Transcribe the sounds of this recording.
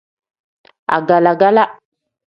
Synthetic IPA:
a̰˨ɡa˨la˨ɡa˦la˦

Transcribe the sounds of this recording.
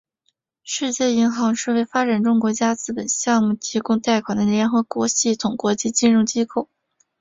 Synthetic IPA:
ʂɻ̩˥˧t͡ɕjɛ˥˩i˧˥ŋxɑ˧˥ŋʂɻ̩˥˧we˥˩ɪfa˥ʈ͡ʂa˨˩nʈ͡ʂʊ˥ŋkwɔ˧˥t͡ɕja˥t͡sɹ̩˥˩pə˨˩nɕjɑ˥˧ŋmu˥˩t̪ʰi˧˥kʊ˥ŋt̪a˥˩ɪkʰwa˨˩nd̪ə˦ljɛ˧˥nxɤ˧˥kwɔ˧˥ɕi˥˩t̪ʰʊ˨˩ŋkwɔ˧˥t͡ɕi˥˧t͡ɕi˥˧nɻʊ˥˩ŋt͡ɕi˥kʰo˥˩ʊ

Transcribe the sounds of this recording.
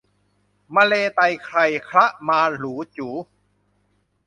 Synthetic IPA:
maː˧leː˧t̪a˧jkʰɾa˧˩jkʰɾa˦˥ʔmaː˧luː˩˦t͡ɕuː˩˦

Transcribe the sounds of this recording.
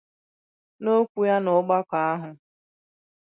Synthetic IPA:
no˦kʷu˦ja˦nʊ˨˦ɡ͡ba˦ka˨a˦ɦʊ˨

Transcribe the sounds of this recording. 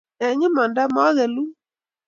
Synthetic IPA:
ɛ˨ɲe˦ma˨nda˦mɔ˦ɣɛ˨lu˦

